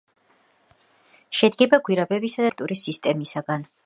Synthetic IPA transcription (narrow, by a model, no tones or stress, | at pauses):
ʃɛd̪ɡɛbaɡwiɾabɛbisad̪at̪ʼuɾisist̪ʼɛmisaɡan